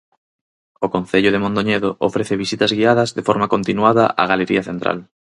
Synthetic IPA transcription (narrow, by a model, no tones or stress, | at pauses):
okon̟θeʎʊðemõnd̪oɲeðoʔofɾeθeβisit̪ɐzɣiaðɐzðefoɾmakont̪inwaðɐʔa̰ɣaleɾiɐθent̪ɾa̰l